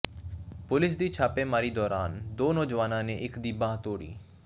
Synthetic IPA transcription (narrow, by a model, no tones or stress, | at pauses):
pʊlɪs̬d̪iːt͡ʃʰaːpẽːmaːɾiːd̪ɔːɾaːnd̪oːnɔːd͡ʒʋaːnãːneːʔɪkd̪iːbãːɦt̪oːɽḭː